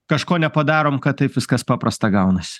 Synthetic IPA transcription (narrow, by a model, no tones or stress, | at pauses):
kɐʃkoːnʲɛpɐd̪ɑːɾoːmkɐt̪̚t̪ːɐɪpʋʲɪskɐspɑːpɾɐst̪ɐɡɐʊnɐsʲɪ̥